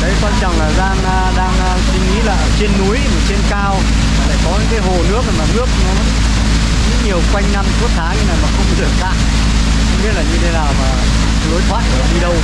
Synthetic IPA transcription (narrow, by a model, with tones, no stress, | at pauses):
ɗə˨˦jkwaː˧nt͡ɕɔ˨˩ŋ͡mlaː˨˩zaː˧ŋː˧ɗaː˧ŋ˧sï˧ŋŋḭ˧˥laː˨˩ʔt͡ɕe˧nːu˨˦əjma˨˩t͡ɕe˧nkaː˧w | a˨˩la̰ː˧˨jkɔ˨˦ɲɨ̰˧˥ŋkaː˨˦jɦo˨˩nɨ˦˥ək̚na˨˩jmaː˨˩nɨ˦˥ək̚nɔ˨˦ | zɨ̰˧˥ɲi˨˩əwkwa˧jŋ̟na˧mkɨ˦˥ək̚t̪ʰaː˨˦ka˨˦na˨˩jmaː˨˩xə˧wŋ͡mkɔ˨˦ɗɨ˨˩ək̚t̪a̰ː˧˨ŋ | xwŋ͡mɓi˦˥ət̚laː˨˩ɲɨ˧t̪ʰe˨˦naː˨˩wmaː˨˩ | lo˨˦jt̪ʰwa̰ː˧˨jvəː˨˩˨ɗi˧ɗə˧w